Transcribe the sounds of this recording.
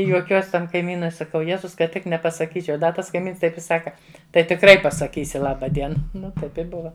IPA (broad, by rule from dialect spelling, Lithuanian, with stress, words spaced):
ɪ juɔˈkʲuɔsʲ ˈtɐm kɐɪˈmʲiːnʊɪ sɐˈkɐʊ ˈjeːzʊs kɐt ˈtʲɪk nʲɛpɐsɐˈkʲiːt͡ʃʲɛʊ ˈdɐ ˈtɐs kɐɪˈmʲiːns ˈtɐɪp ɪ ˈsɑːkɐ ˈtɐɪ tʲɪkˈrɐɪ pɐsɐˈkʲiːsʲɪ ˈlˠɑːbɐ ˈdʲiɛnɐ ˈnʊ ˈtɐɪp ɪ ˈbʊʋɐ